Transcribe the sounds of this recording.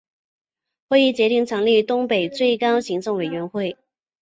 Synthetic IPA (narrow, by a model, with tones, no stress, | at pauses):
xwe˥˧ɪi˥˩t͡ɕjɛ˧˥t̪i˥˩ŋʈ͡ʂʰɤ˧˥ŋli˥˩t̪ʊ˥ŋpe˨˩ɪt͡swe˥˩ɪkɑ˥ʊɕi˧˥ŋʈ͡ʂɤ˥˩ŋwe˨˩ɥɛ˧˥nxwe˥˩ɪ